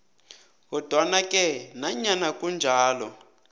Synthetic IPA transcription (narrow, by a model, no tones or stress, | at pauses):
ɣɔd̥ʱwanakʼɛnaɲanakʼund͡ʒʱaːlɔ